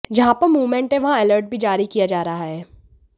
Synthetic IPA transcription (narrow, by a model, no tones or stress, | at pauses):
d͡ʒɐɦãpɐɾmuːʋmẽɳʈẽʋɐɦãɛləɾʈ̚bʱid͡ʒaːɾikijad͡ʒaːɾɐɦaɦɛː